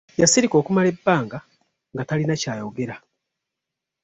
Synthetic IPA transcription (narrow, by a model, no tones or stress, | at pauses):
jasiɾiko̞ːkumale̞bːaːŋɡa | ŋɡatalinacaːjoɡeɾa